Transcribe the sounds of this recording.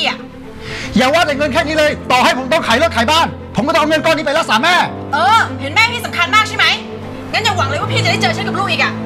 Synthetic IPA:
ʔa˨˩ | jaː˨˩waː˥˩t͡ɕa˧˩jŋɤ˧nkʰɛː˥˩kniː˦˥lɤː˧jt̪ɔː˨˩ha˥˩jpʰo˨˦mt̪ɔ˥˩ŋkʰaː˩˦lɔ˥˩t̪̚kʰaː˩˦jbaː˥˩n | pʰo˩˦kɔː˥˧ɔ˥˨˧ŋ˧nkɔː˥˩niː˦˥pa˧jla˦˥ksaː˩˦mɛː˥˩ | ʔɤː˧pʰi˩˦ənmɛː˥˩t̪ʰiː˥˩sa˩˦mkʰa˧nmaː˥˩k̚ʰa˥˩jma˦˥j | ŋa˦˥nja˨˩wa˨˩˦ŋlɤ˧jwaː˥˩pʰiː˧˥˩t͡ɕa˨˩ɾa˥˩t͡ɕɤː˧˩t͡ɕʰnka˨˩pluː˥˩k̚iː˨˩ʔ̚a˧˩

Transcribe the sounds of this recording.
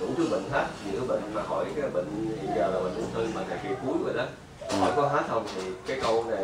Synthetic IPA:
ɗṵ˧˩t͡ɕɓḭ˧˨ŋ̟haː˦˥t̚zɨ̰˧˥˨ɓḭ˧˨ŋ̟maː˨˩xɔ˧˩jkaː˨˦jɓḭ̈˧˨ŋ̟i˧zaː˨˩laː˨˩ɓə̰˨˧˨ŋ̟ɗə̰˨˧˩t̪ʰɨ˧maː˨˩t̪ʰaː˧˩ki˧˩əwku˨˦jzo̰˧˨˩jɗa˨˦ | hɔ̰˧˩jkɔ˨˦ɦaː˦˥t̚hə˧wŋ͡mt̪ʰi˨˩kaː˨˦jkə˧wna˨˩

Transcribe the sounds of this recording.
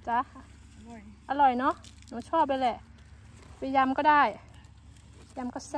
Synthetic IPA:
t͡ɕa˧ | ʔa˧lɔ˨˩jnɔ˦˧˥ʔ | nuː˨˦t͡ɕʰɔː˥˩p̚a˧lɛ˧˩ʔ | pa˧ja˧mkɔː˥˩daː˥˩j | ja˧mkɔ˧˥˩s

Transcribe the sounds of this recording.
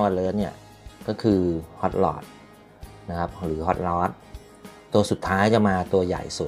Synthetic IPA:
wa˧˩lɤː˦˥ni˥˩ɐ | kɔː˥˩kʰɯː˧hɔ˦˥t̪̚lɔ̰ː˨˩t̪̚ | na˦˥kʰa˦˥p̚ɾɯː˩˦ɦɔ˦˥t̪̚lɔː˦˥t̪̚ | t̪ːu˧ɐsu˨˩t̪ʰːaː˦˥jt͡ɕa˧˩maː˧t̪u˧ɐja̰˨˩jsu˨˩t̪̚

